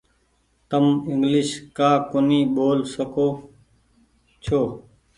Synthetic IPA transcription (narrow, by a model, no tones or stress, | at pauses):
t̪əmɪŋɡlɪʃkaːkʊniːɓoːlsəkoː | t͡ʃʰoː